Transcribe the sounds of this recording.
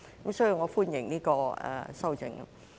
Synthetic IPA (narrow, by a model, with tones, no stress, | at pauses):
kɐ˨˦msɔː˥ji˧wŋɔː˨˧fuː˥njɪ˨˩ŋniː˥kɔː˧ɛ̰˨˧sɐ˥wt͡sɪ̰˧˩ŋ̰˥